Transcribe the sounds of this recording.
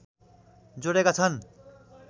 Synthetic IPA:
d͡zoɽekat͡sʰʌn

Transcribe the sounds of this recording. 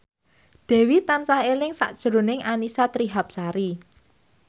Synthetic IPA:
d̪̥ɛ̤wit̪ansahelɪŋsa̰ʔd̥ʒ̥əɾonɪŋʔanisat̪ɾiɦap̚saɾi

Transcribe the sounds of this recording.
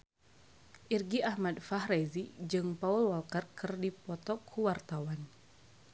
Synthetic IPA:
ʔirɡiahmadfahrezid͡ʒɨŋpaulwalkərkɨrdipɔt̪ɔkʰːuwart̪awan

